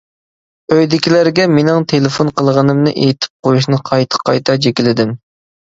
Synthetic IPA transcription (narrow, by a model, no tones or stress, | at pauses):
øjd̪ɪkʲilæɾɡʲɛmenɪŋt̪ʰelɪfonqʰəlˠʁənɨmnɨʔejt̪ʰɪ̥p̚qʰojuʃ̬nɨqʰɑjt̪ʰə̥qʰːɑjt̪ʰɑd͡ʒekʲilɪd̪ɪm